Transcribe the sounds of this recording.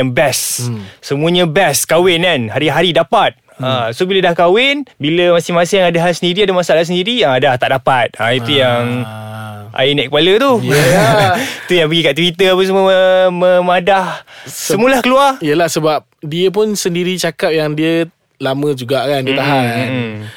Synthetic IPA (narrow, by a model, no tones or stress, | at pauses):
aŋbɛsːəmuəɲə̃bɛskawɪnanɦaɾiɦaɾidapat̪̚ | asobilədahkawɪnbiləmasɪhmasɪjaŋadaɦasəndiɾiadamasaalas̬əndiɾiadht̪aʔdapat̪̚ait̪ujaŋ | a̰jinaʔkəpalət̪u | it̪ujaŋpəɡikaʔt̪wit̪əapəs̬əməəməmadahsəmulahkəluarijəlahsəbap̚diəp̬ʊnsəndiɾit͡ʃakap̚jaŋdiə | lamə̃d͡ʒuɡaʔkanndiət̪aɦann